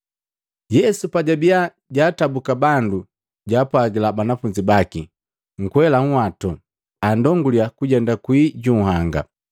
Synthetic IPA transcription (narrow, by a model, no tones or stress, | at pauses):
jɛsupaɟabija | ɟaːtabukabandu | ɟaːpwaɡilabanafuɲd͡ʒibaki | ŋ̩kwɛlaŋ̩watɔ | andɔŋɡuliakuɟɛndakwiːɟuhaŋɡa̰